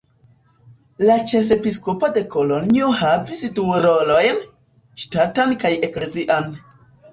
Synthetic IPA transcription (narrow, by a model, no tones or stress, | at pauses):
lat͡ʃe̞fe̞piskopode̞ko̞lo̞nio̞havisduɾo̞lo̞jn | ʃtatankaje̞kle̞ziʔan